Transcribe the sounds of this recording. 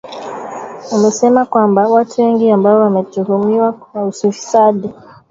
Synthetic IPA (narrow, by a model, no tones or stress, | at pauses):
umɛsɛmakwambawatʰuwɛŋɡiambaɔwamɛtuhumiwawausifi̥saɗi